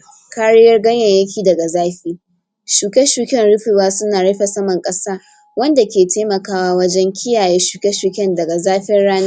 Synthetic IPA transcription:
ka˦ɽɪ˦jɐ˦rɡɐ˦ɲjɐ˨jɐ˦kʲiː˨dɐ˨ɡa˨zaː˦ɸiː˦ | ʃuː˨kʲɛ˦ʃuː˨kʲɛ˦nɽʊ˦ɸɪ˨waː˦sʊ˦naː˨ɽɐ˦ɸɛ˨sɐ˦mɐ˨ŋkʼɐ˦saː˦ | wɐ˦nda˨kʲeː˨tʰeː˦mɐ˨kaː˦waː˦wɐ˦d͡ʒɛ˦ŋkʲʰɪ˦jaː˨jeː˦ʃuː˨kʲɛ˦ʃuː˨kʲɛ˦ndɐ˨ɡa˨zaː˦ɸɪ˦nɽaː˦na˦

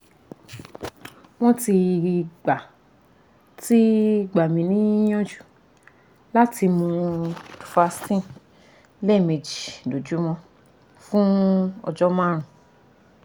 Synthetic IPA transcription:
w̃ɔ̃˦ti˧ɡ͡ba˨ | ti˦ɡ͡ba˨mĩ˧nĩ˦j̃ɔ̃˦d͡ʒu̥˨ | la˦ti˧mõ˧ | fa˧stĩ˦˨ | le˦˨me˧d͡ʒi˨do˨d͡ʒu˨˦mɔ̃˧ | fũ˦ɔ̰˧d͡ʒɔ˦mã˦ɾ̃ũ˨

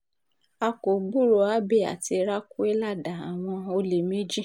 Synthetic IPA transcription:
a˧ko˨ɡ͡bu˦˨ɾo˨˧a˨˦be˦˨a̰˨ti˧ɾa˦ku˦e˦la˦˨da˨a˨w̃ɔ̃˧o˧le˨mĩ˦d͡ʒi˦˨

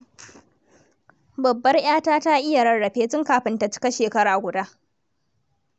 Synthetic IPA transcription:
bɐ˨bːɐ˦rj̰aː˦taː˦ta˦ʔɪ˦ja˨ɽɐ˨ɽɐ˨ɸeː˦t͡ʃɪ˦ŋkaː˨ɸɪ˦nta˨t͡ʃɪ̥˦kɐ˦ʃeː˨kɐ˦ɽaː˨ɡʷʊ˨daː˦ʔ

